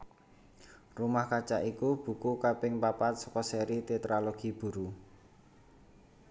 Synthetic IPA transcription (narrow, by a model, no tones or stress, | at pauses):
rumahkat͡ʃa̰ʔikub̥ṳkukapɪŋpapat̪̚sɔ̥kɔsɛɾit̪et̪ɾaloɡ̥i̤b̥ṳɾu